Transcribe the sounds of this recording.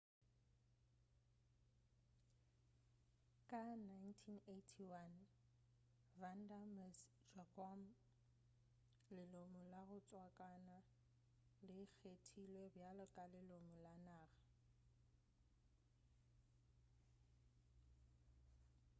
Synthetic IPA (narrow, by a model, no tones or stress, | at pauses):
kʼanajntʰinetʰiwan | van̩damɛs | d͡ʒakʰɔm | lɪlomʊlaɣʊt͡sʼwakʼana | lɪk͡xʰetʰilwebjalɔkʼalɪlomʊlanaːɣa